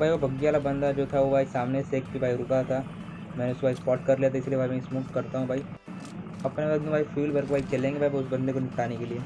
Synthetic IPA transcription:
baːiʋobʱɐɡijaːlabɐ̃nd̪ad͡ʒoːt̪ʰaʋobʱaːisaːmneseːkbibʱaːiɾʊkat̪ʰa | mɛ̃ːneʊskobʱaːispɔːʈkɐɾlijat̪ʰaɪsiliebʱaːimɛ̃ɪsmuːkkɐɾt̪aɦũbʱaːi | ɐpneəd̪ũbʱaːifʰiːlbʱɐɾkobʱaːit͡ʃɐlẽːŋɡebʱaːibaiʊsbɐ̃nd̪ekonɪkʈaːnekelieː

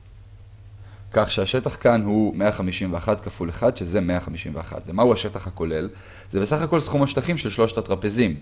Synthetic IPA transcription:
kaχʃeaʃe̞t̪aχkanhume̞aχamiʃimveaχatkafuleχad̪ʃe̞ze̞me̞aχamiʃimvea̰χa̰tvemauaʃe̞taχhako̞le̞l | zebe̞saχako̞lsχumaʃtaχimʃe̞lʃlo̞ʃt̪at̪ʁape̞zim

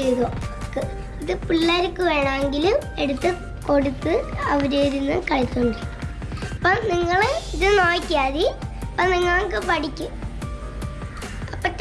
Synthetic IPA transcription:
ejðoːkːɨ | iðɨpuɭːaːɾɨkːɨʋeːɳɐmeŋɡilumeɽut̪ːɨ | ko̞ɽut̪ːɨɐʋɐɾeɾunːɨkɐɻit̪ːuɳɖɨ | ɐpːoniŋːɐɭɨiðɨno̞ːjkʲːaːðipɐniŋːɐɭŋkɨpɐʈikʲːu | ɐpːɐtː

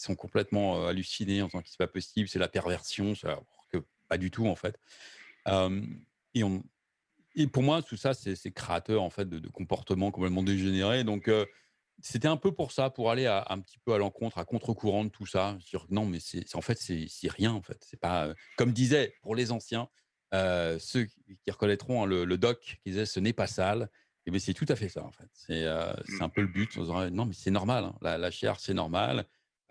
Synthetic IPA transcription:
i̥sɔ̃kɔ̃plɛt̪mɑ̃øalysineɑ̃vizɑ̃ki̥sɛ̥papɔsiblsɛlapɛʁvɛʁsjɔ̃sɛ̰u̥kə | pad̪yt̪ʰuɑ̃fɛt̪ | øm | eɔ̃ | epuʁmwat̪usasɛsɛkχeat̪œʁɑ̃fɛt̪̚d̪əd̪əkɔ̃pɔʁt̪əmɑ̃kɔ̃plɛt̪mɑ̃d̪eʒeneʁed̪ɔ̃kø | set̪ɛɛ̃pøpuʁsapuʁaleaɛ̰̃pət̪ʰi̥pøalɑ̃kɔ̃t̪χakɔ̃t̪χəkʰuʁɑ̃d̪ət̪ʰusaʒəsd̪iʁknɔ̃mɛsɛ̰sɑ̃fɛt̪sɛsɛʁjɛ̃ɑ̃fɛ̰t̪sɛpaøkɔmd̪izɛpuʁlezɑ̃sjɛ̃ | øsø | kʲiʁəkɔnɛt̪χɔ̃ɛ̃lələd̪ɔkkʲid̪izɛsənɛpasal | ebɛsɛt̪ut̪afɛsa̰ɑ̰̃fɛt̪sɛø̰sɛɛ̃pøləbyt̪ʰɔ̰̃siʁɛnɔ̃mɛsɛnɔʁmalɛ̰̃la̰laʃɛ̰ʁsɛnɔʁma̰l

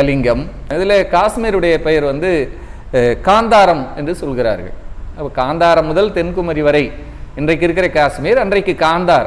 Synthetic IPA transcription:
ɐlɪŋɡɐmɪðɪlɐkaːsmeːɾɯɽɐjɐpɛjɐɾʋɐnd̪ɯ | kaːnd̪aːɾɐmɛndrɯsɔlɣɪɾa̰ːɾɣɐ̰ɭɐpːɐkaːnd̪aːɾɐmːʊðɐlt̪ɛnkɯmɐɾiʋɐɾɐɪ | ɪndrɐɪkːɪɾɯkːɪɾɐkaːsmeːɾɐndrɐɪkːɯkaːnd̪aːɾɐ̰m

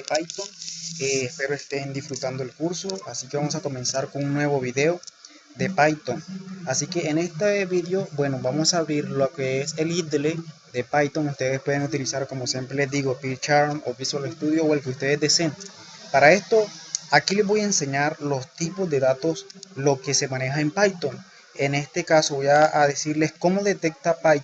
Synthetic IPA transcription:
epajt̪oŋeːspe̞ɾoe̞st̪e̞nd̪ifɾut̪and̪oelkuɾso̞asike̞βamosako̞me̞nsaɾkonunnwe̞βo̞βiðe̞o | d̪e̞pajt̪oŋasike̞ːne̞st̪eβiðeobwe̞no̞βamosaːβɾiɾlokeese̞lid̪led̪epajt̪oŋust̪e̞ðespwe̞ðeŋut̪ilisaɾko̞mosje̞mpɾelezd̪iɣo̞pit͡ʃaɾmopisoalest̪uðjowelkeust̪e̞ðezd̪esenpaɾae̞st̪o̞akile̞zβo̞jaense̞ɲaɾlo̞st̪ipo̞zd̪e̞ðat̪o̞slo̞ke̞se̞mãne̞xaempajt̪oŋ | ene̞st̪e̞kasoβojaːðesiɾle̞sko̞mo̞ðe̞t̪e̞k̚t̪apaj

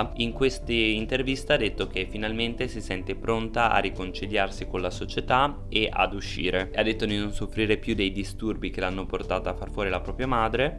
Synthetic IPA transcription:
iŋkwest̪iint̪ervist̪aad̪ːet̪ːok̟efːinalment̪esisɛnt̪epɾont̪aʔa̰rikont͡ʃiljarsikonlasot͡ʃet̪a | eʔa̰d̪uʃːḭːɾeead̪ːet̪ːod̪inonsofːɾiːɾepjud̪ejd̪ist̪urbik̟elanːoport̪aːt̪afːarfwɔːɾilapɾɔːpɾjamaːd̪ɾe

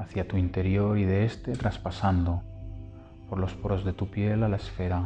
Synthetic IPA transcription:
aθjat̪uint̪e̞ɾjo̞ɾið̞eest̪e̞t̪ɾaspasand̪o̞ | po̞ɾlo̞spoɾo̞zðe̞t̪upje̞lalaesfe̞ɾa

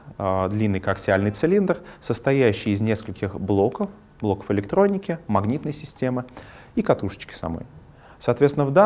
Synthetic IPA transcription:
d̪lʲinːɨjkaksʲɪalʲnɨjt̪sɨlʲind̪ərsəst̪ɐjæɕːɪjːzʲnʲe̞skəlʲkʲɪxblˠo̞kəf | blˠo̞kə̥fɨlʲɪk̚t̪ɾo̞nʲɪkʲɪmɐɡnʲit̪nəjsʲɪsʲtʲe̞mɨikɐt̪uʂə̥t͡ɕkʲɪ̥sɐ̰mo̰j | sɐːt̪vʲet̪sʲɪnəvd̪a

